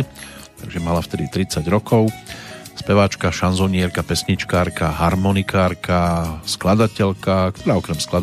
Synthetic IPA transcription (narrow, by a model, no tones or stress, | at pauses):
t̪aɡʒɛmalaft̪ɛd̪it̪ɾit͡saɟɾɔkɔʊspɛʋat͡ʃkaʃanzɔɲɪɛɾkapɛsɲit͡ʃkaːɾkaɦaɾmɔnikaːɾkasklad̪acɛʎkak̚t̪ɔɾaːɔkɾɛmsklad̪